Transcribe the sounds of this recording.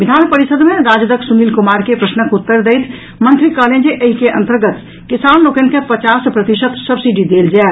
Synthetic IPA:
ʋid̪ʱaːnpəɾisəd̪mẽɾaːd͡ʒd̪əksumiːlkumaːɾkepɾəsnəkut̪ːəɾd̪ejt̪ʰ | mə̃nt̪ɾikəːleːnd͡ʒeʔəɦikeʔə̃nt̪əɾɡət̪ | kisaːnloːkenkepət͡ʃaːspɾət̪iʃət̪səbsiɖid̪eːld͡ʒa

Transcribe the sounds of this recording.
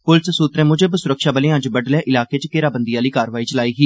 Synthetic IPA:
pʊlssuːt̪ɾẽːmʊd͡ʒəbsʊɾəkʃaːbəleːãːd͡ʒbəɖlɛ̃ːʔɪlaːkeːt͡ʃkeːɾaːbənd̪ijaːliːkaːɾəʋaːiːt͡ʃəlaːiːɦiː

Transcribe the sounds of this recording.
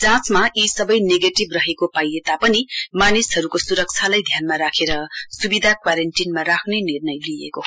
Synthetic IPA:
d͡zãt͡smaʔisʌbʌjneɡeʈibrʌɦekopajet̪apʌnimanishʌɾukosuɾʌk̚t͡sʰalajd̪ʱjanmaɾakʰeɾʌsubid̪ʱakwaɾenʈinmaɾakʰnenirnʌjliḛko

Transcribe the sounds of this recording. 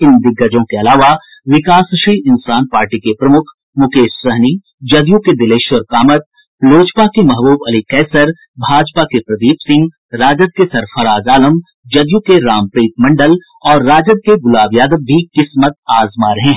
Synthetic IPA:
ɪnd̪ɪɡːəd͡ʒõkeɐlaːʋa | ʋɪkaːsʃɾiːɪnsaːnpaːɾʈikepɾɐmʊkʰ | mʊkeːʃsɐɦni | d͡ʒɐd̪jũked̪ɪleːʃwəɾkaːmət̪̚ | loːt͡ʃpakemɐɦbuːbɐlikɛːsəɾ | bʱaːd͡ʒpakepɾɐd̪iːpsɪ̃ŋɡ | ɾaːd͡ʒəd̪̚kesɐɾfʰɐɾaːd͡ʒaːləm | d͡ʒɐd̪jukeɾaːmpɾiːt̪̚mɐ̃ɳɖəl | ɔːɾːaːd͡ʒəd̪̚keɡʊlaːʋjaːd̪əbːʱikɪsmət̪̚aːzmaːɾɐɦẽɦɛ

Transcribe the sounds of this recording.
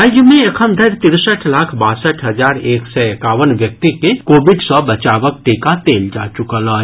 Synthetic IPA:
ajmẽɐkʰəmd̪ʱəɾt̪ɪɾsəʈʰlaːkʰbaːsəʈʰɦɐzaːɾeːksɛekaːʋənʋjək̚t̪ikekoːbɪɖsɔbɐt͡ʃaːʋək̚ʈeːkat̪eːld͡ʒa̰ːt͡ʃʊkəlɔː

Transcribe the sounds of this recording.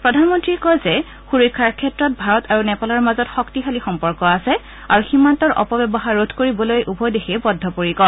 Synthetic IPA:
pɹɔdʱanmɔntɹikɔjzɛ | xuɹikʰːaɹkʰɛtɹɔt̚bʱaɹɔtaɹunɛpalaɹmazɔtxɔktixalixɔmpɔɹkɔasɛ | aɹuximːantɔɹʔɔ̰pɔbɛbɔɦaɹːotʰkoɹibɔlojʔubɔjdexʰiɛbɔdʱːɔpoɹikɔ

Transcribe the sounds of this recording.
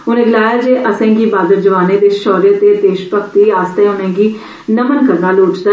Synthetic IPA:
ʊnẽːɡlaːjaːd͡ʒeːʔəsɛ̃ːɡiːbaːd̪əɾd͡ʒəʋaːneːd̪eːʃɔːɾeːt̪eːt̪eːʃpəkt̪iːaːst̪eːʊnɛ̃ːɡiː | nəmənkəɾaːloːʈd̪a

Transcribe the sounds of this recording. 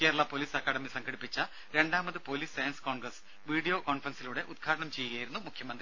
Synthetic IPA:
ke̞ːɾɐɭɐpo̞ːliːsɐkːaːɽɐmisɐŋɡʰʱɐɽipːit͡ɕːɐ | ɾe̞ɳɖaːmɐðɨpo̞ːliːsːɐjɐnskoːnɡrɐs | ʋiːɽijo̞ːkoːnfrɐnsiluːɽe̞ʔud̪̚ɡʰʱaːʈɐɳɐmt͡ɕe̞jːuɣɐːjiɾunːumukʰjɐmɐnd̪ɾi

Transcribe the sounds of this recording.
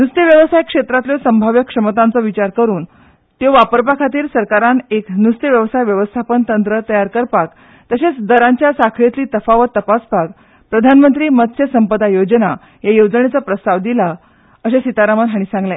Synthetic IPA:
nust̪iʋjəʋəst̪ʰajkʂet̪ɾat̪ljɔsəmbʱaʋjəkʂəmət̪ant͡sɔʋit͡ɕaɾkəɾuːn | t̪joʋapəɾpakʰat̪iːɾsəɾkaɾaneknust̪jəʋjəʋəst̪ʰajʋjəʋəst̪ʰapənt̪ənt̪ɾət̪əjaɾkəɾpak | t̪əset͡sd̪əɾãɲt͡ɕjasakʰɭet̪liːt̪əfaʋət̪ːəpaspak̚ | pɾəd̪ʱanmənt̪ɾiːmət̪ɕʰjəsəmpəd̪ajod͡ʑna | jajod͡zəɳet͡sapɾəst̪aʋd̪ila | əɕẽsit̪aɾamənɦaɽ̃ĩsãŋɡlẽ

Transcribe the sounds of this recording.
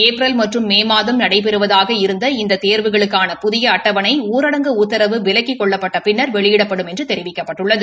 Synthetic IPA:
eːpɾɐlmɐʈrɯmːeːmaːðɐmnɐɽɐɪp̬ɛɾɯʋɐðaːɣɐɪɾɯnd̪ɐɪnd̪ɐt̪eːɾʋɯɣɐɭɯkːaːnɐpʊðɪjɐɐʈːɐʋɐnɐɪuːɾɐɽɐŋɡɐʊt̪ːɐɾɐʋɯʋɪlɐkːɪkːɔɭːɐpːɐʈːɐpɪnːɐɾʋɛɭɪjɪɽɐpːɐɽɯmɛndrɯt̪ɛɾɪʋɪkːɐpːɐʈːɯɭːɐðɯ

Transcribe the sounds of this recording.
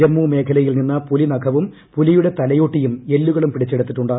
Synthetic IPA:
ɾɐmːuːme̞ːkʰɐlɐjilninːɐpulinɐkʰɐʋum | pulijuɽe̞t̪ɐlɐjo̞ːʈːijume̞lːuɣɐɭumpiɽit͡ɕːeɽut̪ːiʈːuɳɖɐ

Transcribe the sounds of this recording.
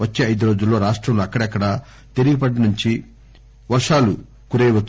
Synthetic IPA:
ɐt͡ʃːeːɐjd̪uɾo̞ːd͡ʒulːo̞ːɾaːʂʈɾɐmloːɐkːɐɽɐɐkːɐɽɐ | t̪eɾiɡip̬ɐʈɐnuɲt͡ʃi | ʋɐʂaːlu | kuɾejʋɐt̪ː

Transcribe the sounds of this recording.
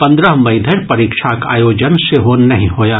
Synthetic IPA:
pɐ̃nd̪ɾəɦmɐɪd̪ʱəɾpɐɾiːkʃʰaka̰ːjoːd͡ʒənseɦoːnnɐɦĩɦoːjaː

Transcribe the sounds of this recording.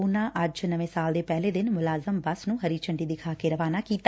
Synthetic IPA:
unãːʔəd͡ʒnəʋẽːsaːld̪eːpɛːleːd̪ɪnmʊlaːzəmbəsnũːɦəɾiːt͡ʃəɳɖiːd̪ɪkʰaːkeːɾəʋaːnaːkiːt̪a

